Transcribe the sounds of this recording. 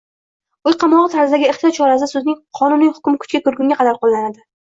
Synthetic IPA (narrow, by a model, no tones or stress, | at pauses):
ʊjqʰɑmɒʁɨt̪ʰaɾzd̪aɡʲɪeχt̪ʰijɒt̪̚t͡ʃʰɒɾasɪsɵznɪŋqʰɒnʊnɪhʊ̥kʲmɪkʰʊ̥t͡ʃkʲakɵɾɡʲʊŋɡaqʰɑd̪aɾqolˠːanad̪ɪ